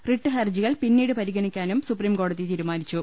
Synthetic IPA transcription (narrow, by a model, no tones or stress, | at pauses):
riʈːɨɦɐrd͡ʑiɣɐɭpinːiːɽɨpɐɾiɣɐɳikʲːaːnumsupriːmko̞ːɽɐðit̪iːɾumaːɾit͡ɕːu